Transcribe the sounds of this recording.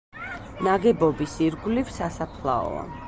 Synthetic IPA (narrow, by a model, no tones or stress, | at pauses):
naɡɛbɔbisiɾɡlivsasapʰlˠa̰ɔ̰a̰